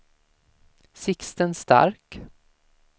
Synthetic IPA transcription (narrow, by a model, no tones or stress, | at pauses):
sɪkst̪ənst̪a̰ɾk